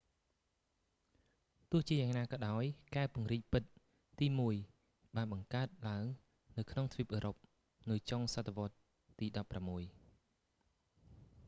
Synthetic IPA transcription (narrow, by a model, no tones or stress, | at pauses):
t̪ʊəht͡ɕiəjaːŋnaːkɑːɗaɔjkaɛpŭəŋriːc̚pɨt̪̚ | t̪iːmuəj | ɓaːnɓɑŋkaət̪̚laəŋ | nɨwkʰnoŋt̪ʰʋiəpʔəːɾop̚ | nɨjt͡ɕoŋsat̪ʰːeʋŏət̪̚ː | iːɗɑpːramːuəj